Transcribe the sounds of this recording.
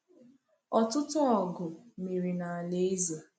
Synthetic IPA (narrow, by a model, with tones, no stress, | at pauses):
ɔ˨tʊ˦tʊ˦ɔ˨ɡʊ˨mi˨ɾi˨na˨a˨le˦za˨